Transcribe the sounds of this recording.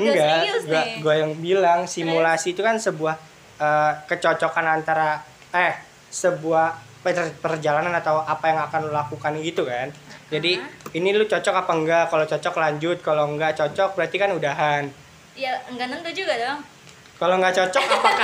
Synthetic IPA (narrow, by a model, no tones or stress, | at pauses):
əŋɡaɡaɡuajaŋbilaŋsimulasiːt̪ukansəbuah | ʔəːkət͡ʃɔt͡ʃɔkanant̪aɾa | aja | səbuah | pərpərd͡ʒalananat̪awʔapajaŋakanlulakukanɡit̪ukand͡ʒadiinilʊt͡ʃɔt͡ʃɔkapaəŋɡakalot͡ʃɔt͡ʃɔklaɲd͡ʒʊt̪̚kaloŋɡaʔt͡ʃɔt͡ʃɔk̚bəɾart̪ikanudaɦan | jaŋɡanənt̪ud͡ʒuɡad̪o | kaloŋɡaʔt͡ʃɔt͡ʃɔkpaa